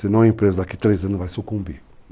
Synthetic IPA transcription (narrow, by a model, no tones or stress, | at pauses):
sinɐ̃w̃ɐĩmpɾezɐd̪akit̪ɾezɐ̃nʊzvajsukũmbi